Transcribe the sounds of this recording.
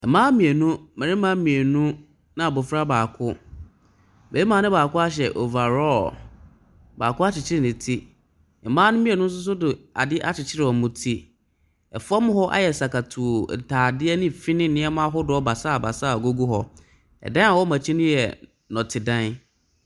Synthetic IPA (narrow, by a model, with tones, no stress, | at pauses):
ɛ˨mãː˦mĩ˨e˨nũ˦mɛ̃˨ɾɪ̃˦mã˦mĩ˨e˨nũ˦ | nã˨a˨bʊ˨fɾa˦baː˨kʰʊ˦ | be˨˦i˦mã˨˦nɪ̃˦baː˨kʊ˦a˦ɕ̬ɛ˨ʔo˨va˨ɾɔ˦ | baː˨kʊ˦a˦t͡ɕɪ˨t͡ɕʰɪ˦ɾɪ˨nɪ̃˨tʰi˦ | ɛ˨mãː˦nʊ̃˦mĩ˦e˨nʊ̃˦n̩˦s̬ʊ˦s̬ʊ˦dʊ˨a̰˨dɪ˦ʔa˦t͡ɕɪ˨t͡ɕʰɪ˦ɾɪ˨ɔ˨˦mʊ̃˦tʰi˦ | ɛ˨fa˦mʊ̃˦ɦhɔ˦ʔa̰˦jɛ˨sa˨ka˨tʰṵ˨tʰaː˨dɪ˦ɛ˦nɪ̃˦˨fi˦nɪ̃˦˨nɪ̃˦ɛ˦mã˦ɦɔ˦dʊ˨˦ɔ˦ba˨sa˦˨ba˨sa˦˨ɡo˦ɡu˦ɦɔ˦ | ɛ̰˨dã˦a˨wɔ˦mã˨t͡ɕʰi˦nʊ̃˦jɛ˨ | nɔ̃˨tʰɪ˨dã˦n